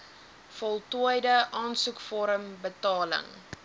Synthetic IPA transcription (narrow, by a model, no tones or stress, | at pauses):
fɔlˠtuəjdəʔɑːnsukfɔɾəmbətɑːlə̰ŋ